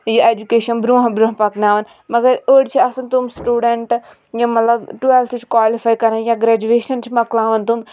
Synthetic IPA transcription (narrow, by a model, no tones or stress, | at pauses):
jieːd͡ʒukeːʃɐnbɾuːɦbɾuɦpɐknaːʋɐn | mɐɡɐɾoːɽt͡ʃʰiɐsɐnt̪umsʈuːɖeɳʈ | jãmɐt̪lɐbʈuelsit͡ʃʰkʋaːlifaːjkɐɾãjãːɡɾaːd͡ʒueːʃɐnt͡ʃʰimɐklãːʋɐnt̪um